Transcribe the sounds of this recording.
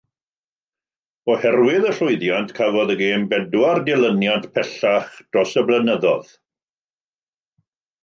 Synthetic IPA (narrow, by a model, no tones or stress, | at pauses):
ɔhɛrwɪðəɬʊɨðjantkʰavɔðəɡeːmbɛdwardɪlˠənjantpʰɛɬaχd̥rɔsəblˠənəðɔ̰ð̥